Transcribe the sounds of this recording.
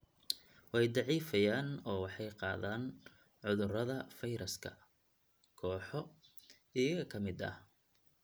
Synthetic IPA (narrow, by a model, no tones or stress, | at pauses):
wɑjd̪ɑʕiːfɐjaːnɔːwɑħɑjqɑːðaːn | ʕʊðʊrɐðɐfɐjɾʔɐskʰɐ̰ | kʰɔːħɔ | ɪjɐɣɐkʰɐmɪd̪ɐ̰h